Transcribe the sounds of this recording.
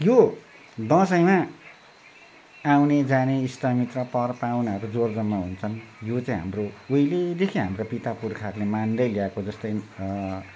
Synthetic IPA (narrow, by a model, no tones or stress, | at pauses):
jo | d̪ʌ̃sʌjma | awned͡zaneist̪amit̪rʌpʌrpawnaɦʌɾud͡zord͡zʌmːaɦunt͡sʰʌnjot͡saĩɦa̰mrouiled̪ekʰiɦamrapit̪apurkʰarlemand̪ʌjliakod͡zʌst̪ʌj